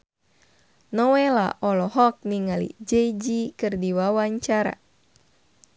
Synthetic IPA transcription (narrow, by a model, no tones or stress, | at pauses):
nɔwɛla̰ʔɔlɔɦɔk̚niŋalḭd͡ʒɛd͡ʒikɨrdiwawaɲt͡ʃaɾa̰